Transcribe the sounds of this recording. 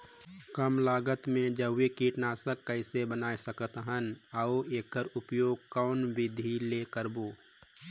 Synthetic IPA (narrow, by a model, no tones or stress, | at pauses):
kəmlaːɡət̪mẽd͡ʒəːekiʈnaːsəkːəɪsebənaːisəkət̪ɦənəoeːkːəɾʊpjoːɡ̚kɔːnʋɪd̪ʱileːkəɾboː